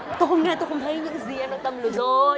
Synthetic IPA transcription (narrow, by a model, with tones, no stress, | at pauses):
t̪o˧˦xə˧wŋ͡mŋɛ˧˩t̪o˧xə˧wŋ͡mt̪ʰə˨˦jɲɨ̰˧˥ŋzi˨˩ʔɛː˧mnɔ˨˧˦t̪ə˧˩mlɨ˧˩zo˨˩